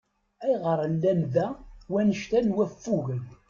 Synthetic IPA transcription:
æjʁəɾˤənːænðæwænəʃt̪ænwæfːuɣən

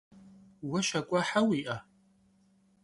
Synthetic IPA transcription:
waʃakʷʼaħawiʔa

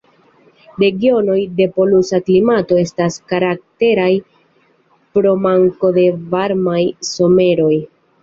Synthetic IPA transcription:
ɾe̞ɡio̞no̞jde̞po̞lusaklimato̞e̞staskaɾak̚te̞ɾaj | pɾo̞maŋko̞de̞vaɾmajso̞me̞ɾo̞j

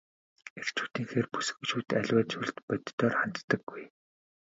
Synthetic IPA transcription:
er̥t͡ɕʰu̥ːt̪iːŋxeːrpu̥s̆kuʃuːt̪æɮʲwæːt͡ɕʰuɮt̪pœt̪t̪ːɔːrχan̥t̪ːə̆ɡːuj

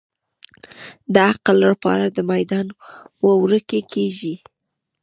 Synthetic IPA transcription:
d̪əaqlːaɽpɑ̰ɾad̪əmajd̪ɑnwəwɾəkekʰeʒi

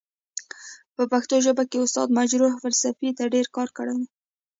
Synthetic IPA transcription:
pəpaxt̪oʒəbakeʊst̪ɑ̰d̪mad͡ʒɾuhfalsafit̪aɖeɾkɑɾkəɽaw

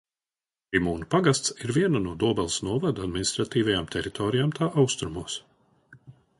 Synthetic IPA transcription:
imuːnupaɡast̪siɾviɛnanuɔd̪uɔbɛlˠsnuɔvad̪ad̪minist̪ɾat̪iːvajamt̪ʰɛɾit̪ʰɔːɾijaːmt̪ʰaːʔawst̪ɾumuɔs

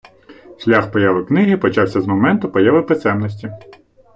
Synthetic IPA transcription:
ʃʲlʲaxpɔjaʋɪwknɪɦɪpɔt͡ʃɑwsʲɐzmɔmɛnt̪ʊpɔjaʋɪpɪt̪sɛmnɔs̬ʲtʲi

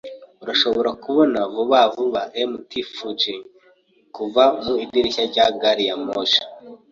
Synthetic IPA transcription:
uɾaʃo̞βo̞ɾakuβo̞navuβavuβaʔemutifud͡ʒe | kuvamuidiɾiçaɾɟaɡaɾijamoʃḁ

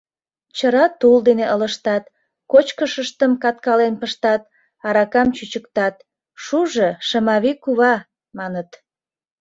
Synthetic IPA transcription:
t͡ɕəɾɑt̪uld̪eneʔələʃt̪ɑt̪ | kot͡ɕkəʃəʃt̪əmkɑt̪̚kɑlenpəʃt̪ɑt̪̚ | ɑɾɑkɑmt͡ɕyt͡ɕəkt̪ɑt̪̚ | ʃuʒəʃəmɑβikuβɑ | mɑnət̪

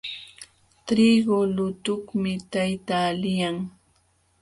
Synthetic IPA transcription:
t̪ɾiɡolʊt̪ʊχmɪt̪ajt̪aːlɪjaŋ

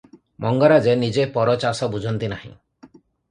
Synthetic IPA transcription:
mʔɔŋɡɔɾad͡ʒenid͡ʒepɔɾɔt͡ʃasɔbud͡ʒʱɔnt̪inaɦḭ̃

